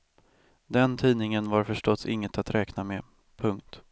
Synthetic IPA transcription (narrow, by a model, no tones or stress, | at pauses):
d̪ɛnt̪ʰiːnɪŋənvaɾfœʂʈɔt̪sɪ̰ŋːət̪at̪ɾʔɛːknamɛ | pʰɵŋk̚t̪